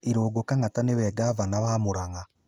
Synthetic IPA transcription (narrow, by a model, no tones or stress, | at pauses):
iɾoːɡokaŋatanewɛːɡavanawaːmoɾaŋa